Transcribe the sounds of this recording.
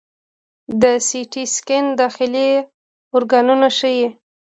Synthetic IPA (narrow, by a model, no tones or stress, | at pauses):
d̪əsiʈiskɪnd̪ɑxɪle | ʊɾɡɑnunaʃəji